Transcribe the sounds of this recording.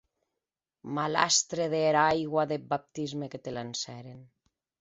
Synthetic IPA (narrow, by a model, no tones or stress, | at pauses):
mala̰st̪ɾeðeːɾaajɣwaðebap̚t̪izmeket̪elansɛɾen